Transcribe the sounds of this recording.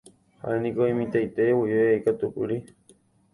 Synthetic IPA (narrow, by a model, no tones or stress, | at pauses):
ha̰ʔenĩkoĩmĩt̪ajt̪ewujeejkat̪ukɨɾi